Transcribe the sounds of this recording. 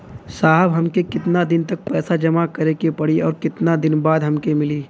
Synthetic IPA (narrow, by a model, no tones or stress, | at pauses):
saːɦəbɦɐmkekɪt̪nad̪ɪnt̪ɐk̚pɛːsad͡ʒɐmakɐɾekepɐɽiɔːɾkɪt̪nad̪ɪnbaːd̪ɦɐmkemɪliː